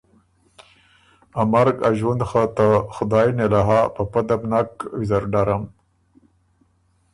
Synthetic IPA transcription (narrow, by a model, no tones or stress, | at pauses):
amaɾɡa̰ʒwand̪xat̪axʊd̪ɑjnelaɦapapad̪abnakwizaɾɖaɾam